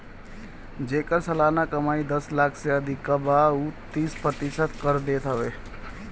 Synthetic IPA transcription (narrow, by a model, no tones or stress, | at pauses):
d͡ʒeːkəɾsɐlaːnakəmaːid̪əslaːkʰseəd̪ʱikːabaut̪iːspɾət̪ɪʃət̪kəɾd̪eːt̪ɦəʋeː